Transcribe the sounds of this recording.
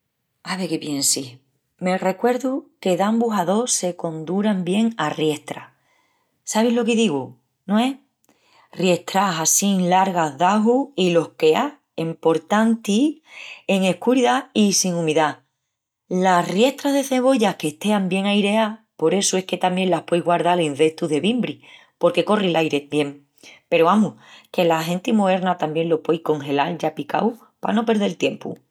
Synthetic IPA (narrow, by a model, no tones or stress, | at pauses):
aβeke̞pje̞nsih | me̞re̞kwe̞ɾðuke̞ðambuɦaðo̞se̞ko̞nd̪uɾambje̞ŋarje̞ht̪ɾa̰ | saβ̞iɦlo̞keðiɣu | nõe | rje̞ht̪ɾaɦasiŋlaɾɣaðaɦuhilo̞hke̞a | empo̞ɾt̪ant̪i | e̞ŋe̞hkuɾiðaisiŋũmiða | larje̞ht̪ɾaɦðe̞θe̞β̞o̞ʝahke̞ht̪e̞ambje̞ŋajɾe̞a | po̞ɾe̞sue̞hke̞t̪amje̞ŋlahpwe̞jɣwaɾð̞alen̟θe̞ht̪uðe̞βimbɾi | po̞ɾke̞ko̞rilʔajɾe̞je̞ŋ | pe̞ɾoamuhke̞laɦe̞nt̪imoe̞ɾnat̪ambje̞ŋlo̞pwe̞jhko̞ŋxe̞lalʝapika̰w | pa̰no̞pe̞ɾð̞e̞lt̪je̞mpṵ